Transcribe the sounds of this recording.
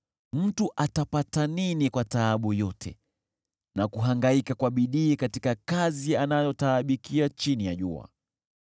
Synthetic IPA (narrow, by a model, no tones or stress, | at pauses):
m̩tuʔatapataninikwataːɓujɔtʰɛ̰ | nakuɦaŋɡaikakwaɓiɗiːkatikakazianajɔtaːɓikiat͡ʃinijaʄṵa̰